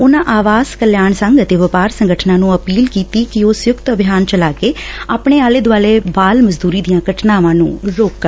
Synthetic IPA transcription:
ʊnãːʔaːʋaːzkəljaːɳsəŋɡət̪eːʋəpaːɾsəŋɡəʈʰnãːnũːəpiːlkiːt̪iːkɪoːsjʊkt̪əbʱjaːnt͡ʃəlaːkeːaːpɳeːaːleːd̪ʊaːleːbaːlməzd̪uːɾiːd̪ijãːɡəʈʰnaːʋãːnṵ̃ːɾoːkːəɾ

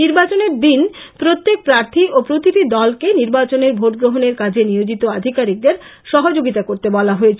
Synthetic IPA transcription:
niɾbat͡ɕoneɾd̪in | pɾot̪ːek̚pɾaɾt̪ʰiʔopɾot̪iʈid̪ɔlkeniɾbat͡ɕoneɾbʱoʈ̚ɡɾoɦoneɾkad͡ʑʱeniod͡ʑit̪oad̪ʱikaɾik̚d̪eɾ | ʃɔɦod͡ʑoɡit̪akoɾt̪ebɔlaɦoet͡ɕʰ

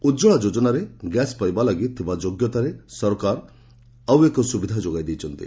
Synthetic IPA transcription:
ud͡ʒɔɭad͡ʒod͡ʒɔnaɾeɡɛspajbalaɡit̪ʰibad͡ʒoɡjɔt̪aɾesɔɾkaɾ | awekɔsubid̪ʱad͡ʒoɡajd̪ejt͡ʃʰɔnt̪ḭ

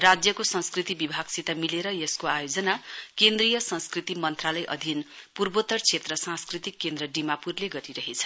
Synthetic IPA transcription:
rad͡zjʌkosʌ̃nskrit̪ibibʱaɡ̥sit̪amileɾʌjeskoajod͡zʌnakend̪rijʌsʌ̃nskrit̪imʌnt̪ralʌjʔʌ̰d̪ʱinpurbot̪ʌrt͡sʰet̪rʌsãnskrit̪ikːend̪rʌɖimapurleɡʌɾiɾʌɦet͡sʰʌ̥

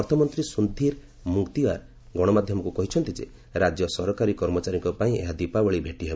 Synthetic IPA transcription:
ɔɾt̪ʰɔmɔnt̪ɾisund̪ʱiɾ | mukt̪ia̰ɾ | ɡɔɽ̃ɔmad̪ʱjɔmɔkukɔɦit͡ʃʰɔnt̪id͡ʒḛ | ɾad͡ʒjɔsɔɾɔkaɾikɔɾmɔt͡ʃaɾiŋkɔpaĩḛɦad̪ipawɔɭibʱeʈiɦebe

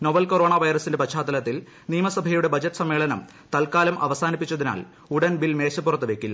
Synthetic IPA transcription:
noʋɐlkoro̞ːɳaʋɐjɾɐsindepɐɕaːd̪ɐlɐt̪ːil | niːmɐsɐbʱɐjuɽe̞bɐd͡ʑɐʈːɨsɐmːe̞ːɭɐnɐm | t̪ɐlkaːlɐmʔɐ̰ʋɐsaːnipːit͡ɕːɐðina̰ːl | uɽɐnbilme̞ːɕɐpːurɐt̪ːɨʋe̞kʲːilːɐ

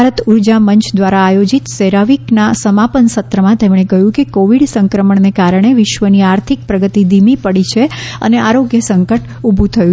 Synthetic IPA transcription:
aɾət̪uɾd͡ʒamənt͡ʃd̪ʋaɾaːjod͡ʒit̪seɾaʋiknasəmapənsət̪ɾəmãt̪emɳ̃ekəɦjũkekoʋiɽsəŋkɾəməɳnekaɾəɳ̃eʋɪʃʋəniaɾt̪ʰik̚pɾəɡət̪id̪imipəɽit͡ʃʰeə̰neaɾoɡjəsəŋkəʈ | ubʱũt̪ʰəju

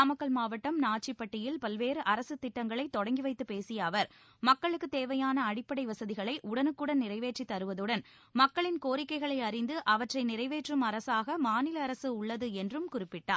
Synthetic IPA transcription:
ɐmɐkːɐɭmaːʋɐʈːɐmnaːʈ̚t͡ʃipːɐʈːɪjɪlpɐlʋeːɾɯʔɐɾɐsɯt̪ːɪʈːɐŋɡɐɭɐɪt̪ːɔɽɐŋɡiʋɐɪt̪ːɯpeːsɪjɐːʋɐɾ | mɐkːɐɭɯkːɯt̪eːʋɐjaːnɐɐɽɪpːɐɽɐɪʋɐsɐðɪɣɐɭɐɪʔʊɽɐnɯkːɯɽɐnɪrɐɪʋeːʈrit̪ːɐɾɯʋɐðɯɽɐn | mɐkːɐɭɪnkoːɾɪkːɐɪɣɐɭɐɪɐɾɪnd̪ɯʔɐʋɐʈrɐɪnɪrɐɪʋeːʈrɯmɐɾɐsaːɣɐmaːnɪlɐːɾɐsɯʊɭːɐðɯɛndrɯmkʊrɪpːɪʈːaːɾ

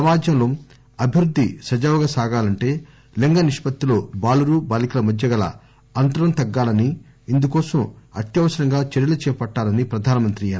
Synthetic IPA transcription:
ɐmaːd͡ʒɐmlom | ɐbʱiɾud̪ʱːisɐd͡ʒɐʋɡaːsaːɡaːlɐɳʈe̞ː | leŋɡɐniʂpɐt̪ːilo̞ːbaːluɾuːbaːlikɐlɐmɐd̪jɐɡɐlɐ̰ | ɐnt̪ɐɾɐmt̪ɐɡːaːlɐniː | nd̪ukɔːsɐmɐt̪jɐʋɐsɐɾɐŋɡaːt͡ʃeɾjɐlɐt͡ʃɛːpɐʈːaːlɐnipɾɐd̪ʱaːnɐmɐnt̪ɾijɐn

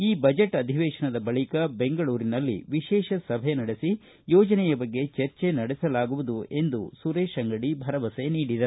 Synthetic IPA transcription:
iːbɐd͡ʒeʈːɐd̪ʱiʋɛːʂɐɳɐd̪ɐbɐɭikɐbe̞ŋɡɐɭuːɾinɐlːḭʋiʃɛːʃɐsɐbʱenɐɽesi | jɔːd͡ʒɐnɛjɐbɐɡːe̞t͡ʃɐɾt͡ʃenɐɽɛsɐlaːɡuʋud̪ue̞nd̪usuɾeːʃɐŋɡɐɽibʱɐɾɐʋɐseniːɽid̪ɐɾ

